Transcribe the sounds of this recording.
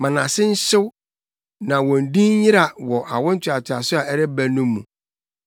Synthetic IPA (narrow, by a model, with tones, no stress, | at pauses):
mã˨nã˨sɪ˦n̩˦ɕɪ˦w | nã˨wɔ̃˨n̩˨dĩ˦n˦ɲɪ˦ɾa˨wɔ˨ʔa˨wʊ̃˦n̩˦t͡ɕʰɪ˨a˨tʰɪ˨a̰˨sʊ˦a˨ɛ˦ɾɪ˦bæ˦nũ˦mːũ˨